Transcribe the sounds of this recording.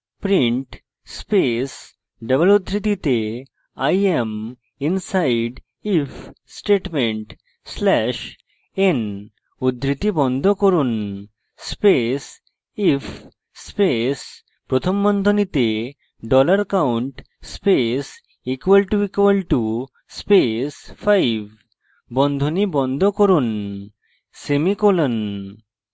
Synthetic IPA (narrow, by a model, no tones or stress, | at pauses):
pɾiɳʈ | spes | ɖəbəlud̪ɾit̪it̪e | ajem | insaiɖ | if | sʈeʈmẽɳʈ | slɛɕ | en | ud̪ʱɾit̪ibɔnd̪ʱɔkəɾuːn | spes | if | spes | pɾɔt̪ʰɔmbɔnd̪ʱɔnit̪e | ɖɔləɾkawuɳʈ | spes | ikʋəlʈuikʋəlʈu | spesfajʋ | bɔnd̪ʱɔnibɔnd̪ʱɔkɔɾuːn | semikɔlən